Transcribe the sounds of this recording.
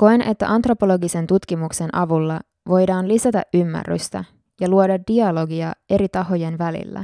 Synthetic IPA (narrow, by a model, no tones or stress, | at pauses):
ko̞ene̞t̪ːæ̰ʔɑnt̪ro̞po̞lo̞ɡise̞nt̪ut̪kimukse̞nʔɑʋulːɑ | ʋo̞jdɑːnlisæt̪æ̰ʔymːæ̰rːy̰st̪æ̰ | jɑluodɑddiɑlo̞ɡiɑʔe̞ɾit̪ɑɦo̞je̞nʋælḭlːæ̰